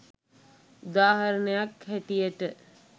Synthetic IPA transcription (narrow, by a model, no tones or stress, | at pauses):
ud̪aːɦaɾənəjakhæʈijəʈə